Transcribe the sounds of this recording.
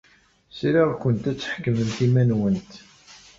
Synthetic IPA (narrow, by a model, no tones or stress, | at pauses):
sɾiʁkʷənt̪æt͡sːħkːəmənt̪imænwənt̪